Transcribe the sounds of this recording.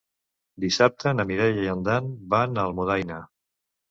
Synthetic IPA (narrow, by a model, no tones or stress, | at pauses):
d̪isap̚t̪ənəmiɾɛʎəjənd̪anbanəlˠmuðajnə